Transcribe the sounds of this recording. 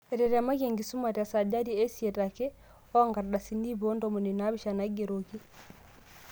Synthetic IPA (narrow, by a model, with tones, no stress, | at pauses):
ɛɾɛɾa˨ma˦keŋɡi˨su˦ma˨ta˨sa˨ɟa˦di˨ɛ˦siɛ˨ta˨kɛ˦ | ɔ˦aŋɡa˨ɾɗa˨sini˦bɔ˦ndɔmu˨nina˦βi˨ʃana˨ɡe˨ɾo˨ki˦